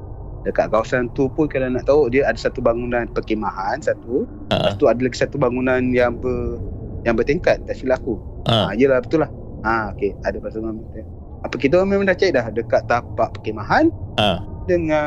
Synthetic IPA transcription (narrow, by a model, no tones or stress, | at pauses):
dəka̰ʔ̪̚kawasant̪upunkalanaʔt̪aoʔdiəadasat̪ubaŋunanpəkemaɦansat̪u | at̪uadalaɡisat̪ubaŋunanjaŋbəjaŋbərt̪eŋkat̪̚ːaʔsilaku | jəlahbət̪ulah | ãokeadapasamamit̪ | apək̬it̪̬aamemãndaht͡ʃaiʔ̪̚lahdəkaʔt̪ːapaʔpəkemaɦan | dəŋã